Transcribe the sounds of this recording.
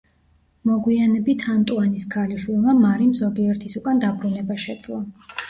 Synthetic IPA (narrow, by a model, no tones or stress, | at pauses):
mɔɡwianɛbit̪ʰamt̪ʼuaniskʰaliʃwilˠmamaɾimzɔɡiɔɾt̪ʰisukʼand̪abɾunɛbaʃɛd̪z̥ʼlˠa